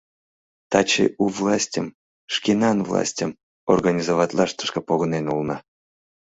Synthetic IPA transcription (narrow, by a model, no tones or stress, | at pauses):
t̪at͡ɕḭuvlˠasʲtʲəm | ʂkʲinɑnvlˠa̰sʲtʲəm | o̰rɡanʲizovɑt̪ʲlˠɑʂt̪ə̥ʃkəpoɣonenulˠnɑ